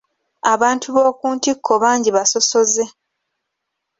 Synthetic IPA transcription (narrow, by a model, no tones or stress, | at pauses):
aβaːntʰuβoːkuːntikʰːo̞βaːɲɟiβaso̞so̞ze̞